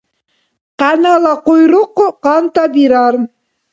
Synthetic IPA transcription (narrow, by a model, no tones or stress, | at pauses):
qɑnɑlˠɑqojɾuqːqɑnt̪ɑbiɾɑɾ